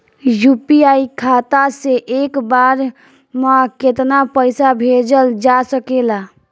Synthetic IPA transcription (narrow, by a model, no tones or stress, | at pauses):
jupiaikʰat̪aseʔekbaɾ | maket̪napəjsabʱed͡ʒəld͡ʒasəkela